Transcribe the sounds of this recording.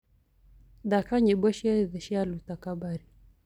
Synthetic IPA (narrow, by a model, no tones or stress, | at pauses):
dakaɲibɔʃiaðɛʃialutakabaɾi